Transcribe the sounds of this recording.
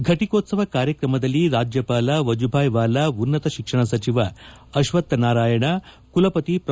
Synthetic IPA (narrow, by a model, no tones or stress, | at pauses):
ɡʱɐʈikoːt̪sɐʋɐkaːɾjɐkɾɐmɐd̪ɐliːɾaːd͡ʒjɐpaːlɐʋɐd͡ʒubʱaːjʋaːlaunːɐt̪ɐɕikʂɐɳ̃ɐsɐt͡ɕiʋɐ | ɐɕʋɐt̪ːnaːɾaːjɐɳ̃ɐ | kulɐpɐt̪ipɾ